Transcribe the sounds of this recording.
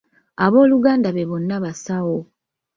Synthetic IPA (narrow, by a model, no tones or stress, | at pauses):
aβo̞ːluɡaːndaβe̞βo̞nːaβasawo